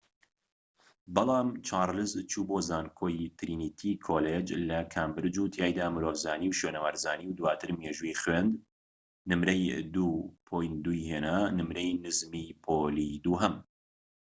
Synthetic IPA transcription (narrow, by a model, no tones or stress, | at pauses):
bɐlˠɑːmt͡ʃʰaːɾlɨzt͡ʃʰuːbozaːnkʰoːjt̪ʰɾiːnit̪ʰikʰoːled͡ʒlɐkʰaːmbɨɾd͡ʒuːt̪ʰjaːjd̪aːmɨɾoːvzaːniːwʃweːnəwaːɾzaːniːwd̪waːt̪ʰɨɾmeːʒujiχwend̪ | nɨmɾɐjd̪upʰoːjnd̪ujheːnanɨmɾɐjnɨzmipʰoliːd̪uːɦɐm